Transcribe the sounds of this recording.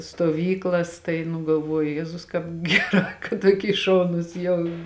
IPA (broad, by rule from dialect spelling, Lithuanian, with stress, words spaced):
stuɔˈʋʲiːklˠɐs ˈtɐɪ nʊ ɡɐlˠˈʋuɔjʊ ˈjæːzʊs ˈkɑːp ˈɡʲæːˌrɑː kɐt ˈtuɔˌkʲiː ˈʃɐʊnʊs jɛʊ